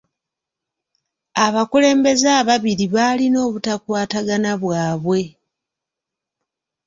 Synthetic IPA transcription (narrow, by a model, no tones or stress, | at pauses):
aβakule̞ːmbe̞zaːβaβiɾiβalino̞ːβutakwaːtaɡanaβwaːβwe̞